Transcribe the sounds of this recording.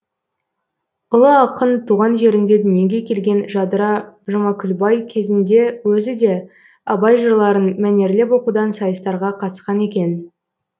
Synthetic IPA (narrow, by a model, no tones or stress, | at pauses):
ʊlˠəɑqənt̪ʰuʁɑnʒe̞ɾɪnd̪e̞d̪ʏnjeɡʲe̞kʲʰe̞lɡʲe̞nʒɑd̪ɾɑʒɑmɑkʲʰʏlbɑjkʲʰe̞zɪnd̪e̞wɵzɪd̪e̞ | ɑbɑjʒəɾlˠɑɾənmæne̞ɾlep̬wo̞qud̪ɑnsɑjəst̪ɑɾʁɑqʰɑt̪ə̥sqɑne̞kʲe̞n